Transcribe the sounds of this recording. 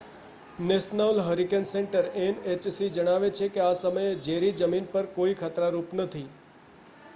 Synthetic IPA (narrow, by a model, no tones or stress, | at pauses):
nesnaʋlɦəɾikenseɳʈəɾenet͡ʃsid͡ʒəɽ̃aʋet͡ʃʰekeasəməjed͡ʒeɾid͡ʒəminpəɾkoikʰat̪ɾaɾupnət̪ʰi